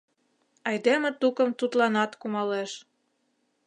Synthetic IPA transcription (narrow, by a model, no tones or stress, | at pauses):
ɑjd̪emĕt̪ukəmt̪ut̪lɑnɑt̪kumɑleʃ